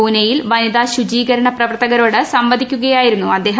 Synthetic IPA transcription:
uːnɐjilʋɐnid̪aːɕud͡ʑiːɣɐɾɐɳɐprɐʋɐrt̪ɐɣɐɾo̞ːɽɨsɐmʋɐd̪ʱikʲːuɣɐjaːjiɾunːuɐd̪ːe̞ːɦ

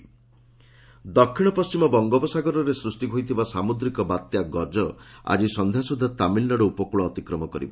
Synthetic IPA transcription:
d̪ɔkʰːiɽ̃ɔpɔst͡ʃimɔbɔŋɡɔbɔsaɡɔɾɔɾesɾusʈiɦojt̪ʰibasamud̪ɾikɔbat̪jaɡɔd͡ʒɔa̰d͡ʒisɔnd̪ʱjasud̪ʱːat̪amilnɔɽɔupɔkuɭɔːt̪ikɾɔmɔkɔɾḭbɔ

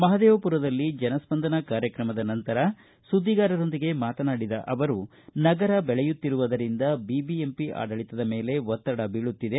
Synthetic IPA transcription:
mɐɦɐd̪eːʋɐpuɾɐd̪ɐlːid͡ʒɐnɐspɐnd̪ʱɐnɐkaːɾjɐkɾɐmɐd̪ɐnɐnt̪ɐɾɐ | sud̪ʱːiɡaːɾɐɾo̞nd̪iɡe̞maːt̪ɐnaːɽid̪ɐ̰ʔɐʋɐɾu | nɐɡɐɾɐbɛɭɛjut̪ːiɾuʋɐd̪ɐɾind̪ɐbibiempiʔa̰ːɖɐɭit̪ɐd̪ɐme̞ːle̞ʋɔt̪ːɐɽɐbiːɭut̪ːid̪e̞

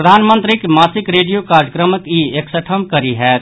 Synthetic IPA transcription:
ɾəd̪ʱaːnmənt̪ɾikmasikɾeɖijokaɾəkɾəməkieksəʈʰəmkəɾiɦɛt̪

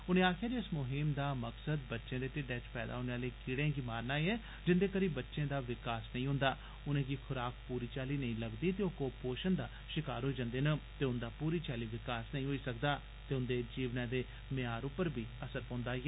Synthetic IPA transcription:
ʊnẽːaːkʰjaːd͡ʒiɪsmʊɦɪmd̪aːməksəd̪bətːʃẽːd̪eːʈ̪ɪɖɛːt͡ʃpɛ̰ːd̪a̰ɦoːneːaːleːkɪɽẽːɡiːmaːɾnaːeɛː | d͡ʒɪnd̪eːkəɾiːbətːʃẽːd̪aːʋɪkaːsnəĩːɦʊ̃ːnd̪aː | ʊnẽːɡikʰʊɾaːkpuːɾiːt͡ʃaːliːnəĩːləɡd̪iːt̪eːoːkoːpoːʃənd̪aː | ʃɪkaːɾɦoːid͡ʒãnd̪eːnət̪eːʊnd̪aːpuːɾiːt͡ʃaːliːʋɪkaːsnəĩːɦoːiːsəkd̪aː | t̪eːʊnd̪eːd͡ʒiːʋnãːd̪eː | mɪaːɾʊpːəɾbʱiːəsəɾpõːnd̪aːɛː

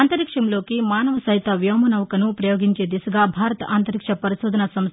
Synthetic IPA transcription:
aːnt̪ɐɾikʂɐmloːkimaːnɐʋɐsɐɦit̪ɐʋjɐmɐnɐʋkɐnupɾɐjoːɡiɲt͡ʃeːd̪isɐɡabʱaːɾɐt̪ɐʔaːnt̪ɐɾikʂɐpɐɾisoːd̪ʱɐnɐsɐms

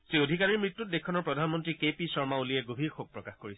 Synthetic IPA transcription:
zeodʱikaɹiɹmɹitːut̚dekʰɔnɔɹpɹɔdʱanmɔntɹikepisɔɹmauliɛɡobʱiɹxoɡ̚pɹɔkaxkoɹisɛ̥

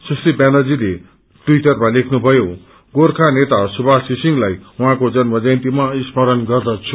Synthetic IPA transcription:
sʌst̪ipanʌd͡zile | ʈwiʈʌrmalekʰnubʱʌjo | ɡorkʰanet̪asubʱasisiŋlajuɦãkod͡zʌnmʌd͡zajnt̪imaispʌɾʌnɡʌrd̪ʌt͡sʰu

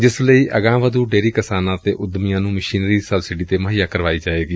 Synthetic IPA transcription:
d͡ʒɪsləiːʔəɡãːʋəd̪uːɖeːɾiːkɪsaːnãːt̪eːʔʊd̪mɪjãːnũːməʃiːnɾiːsəbsɪɖiːt̪eːməɦɪjaːkəɾʋaːiːd͡ʒaːeːɡiː

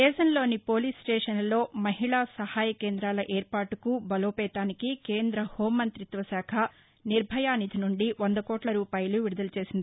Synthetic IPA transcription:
d̪ɛːʃɐnlo̞ːnipo̞ːliːsʈɛːʂɐnlo̞ːmɐɦiɭaːsɐhaːjɐke̞ːnd̪ɾaːlɐʔeːɾpaːʈukubɐloːpɛːt̪aːnikikeːnd̪ɾɐhoːmːɐnt̪ɾit̪ʋɐsaːkʰɐ | niɾbʱɐjaːnid̪ʱinuɳɖiʋond̪ɐkɔːʈlɐɾuːpaːjɐluʋiɽud̪ɐlɐt͡ʃe̞ːsind̪i

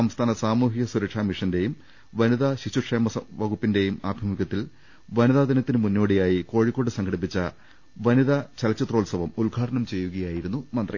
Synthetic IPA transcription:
sɐmst̪ʰaːnɐsaːmuːɦiɣɐsuɾɐkʂaːmiʂɐnde̞jum | ʋɐniðɐɕiɕuʂeːmɐʋɐɡupːinde̞jumaːbʱimiɣɐt̪ːil | ʋɐniðaːd̪ɐnɐt̪ːinɨmunːo̞ːɽijaːjiko̞ːɻikːo̞ːɽɨsɐŋɡʰʱɐɽip̬ːit͡ɕːɐ | ʋɐniðɐt͡ɕɐlɐt͡ɕːɐt̪ro̞ːlsɐʋɐmulɡʱaːʈɐnɐmt͡ɕe̞jːuɣɐjaːjiɾunːumɐnd̪rḭ

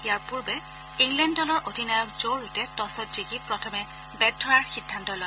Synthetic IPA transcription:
ijaɹpuɹbɛ | iŋlɛndɔlɔɹʔodʱinajɔk̚zoɹutɛtɔsɔtzikipɹɔtʰɔmɛ | bɛdʰʱɔɹaɹxidʱːantɔlɔj

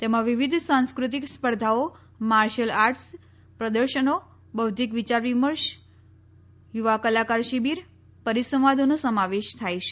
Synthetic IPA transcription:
t̪emãʋiʋid̪ʱsãnskɾut̪̬ikspəɾd̪ʱao | maɾʃəlaɾʈs | pɾəd̪əɾʃəno | bəwt̪ikʋit͡ʃaɾʋiməɾʃ | juʋakəlakaɾʃibiɾ | pəɾisə̃ʋad̪ʱonosəmaʋeʃt̪ʰajt͡ʃʰe̥

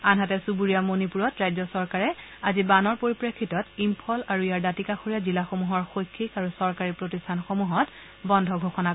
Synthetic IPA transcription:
anɦatɛsubuɹijamonipuɹɔtɹajzɔsɔɹkaɹɛazibanɔɹpoɹipɹekʰːitɔtimpʰɔlaɹuijaɹdatikaxoɹijazilaxomuɦɔɹxojkʰːikaɹusɔɹkaɹipɹotistʰanxomuɦɔt | bɔndʱɔɡʱoxɔna

